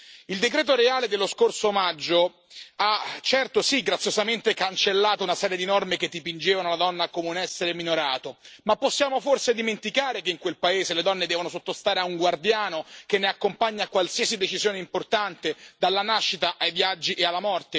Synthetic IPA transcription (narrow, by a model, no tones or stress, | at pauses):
ild̪ek̬ɾɛːt̪oɾeaːled̪elːoskorsomad͡ʒːo | at͡ʃːɛrt̪osiɡːɾat̪sːjozament̪ekant͡ʃelːaːt̪ounasɛːɾjed̪inɔrmeket̪ːipind͡ʒeːvanolad̪ɔnːakomeunɛsːeɾeminoɾaːt̪omapːosːjaːmoforsed̪iment̪ikaːɾekeiŋkwelpaeːzeled̪ɔnːed̪ɛːvonosot̪ːost̪aːɾeauŋɡward̪jaːnokenːeakːompaɲːakwalsiːasid̪et͡ʃizjoːneimport̪ant̪ed̪alːanaʃːit̪aʔajvjad͡ʒːiʔealːamɔrt̪e